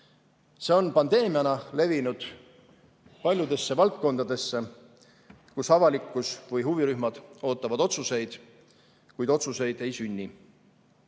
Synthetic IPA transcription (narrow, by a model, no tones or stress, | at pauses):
se̞o̞npɑnd̪e̞ːmijɑnɑle̞vinud̪̥ | pɑlʲjud̪e̞sːe̞vɑlt̪̚ko̞nd̪̥ɑd̪̥e̞sːe | kusɑvɑlikːˑusvɯjɦuviɾyhmɑd̪̥o̞ːt̪ːˑɑvɑd̪o̞t̪suse̞jd̪̥ | kujd̪o̞t̪suse̞jd̪e̞jsynʲːi